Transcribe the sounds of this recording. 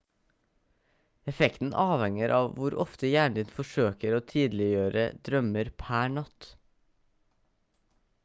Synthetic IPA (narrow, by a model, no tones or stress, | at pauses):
ɛfɛkt̪n̩ʔɑːʋhɛŋəɾʔɑːʋʋʊɾʔɔ̰ft̪əjæːɳd̪ɪnfɔʃøːkəɾoːt̪ʰiːd̪l̩ɪjøːɾə̰d̪ɾœməɾpʰæːɳɑt̪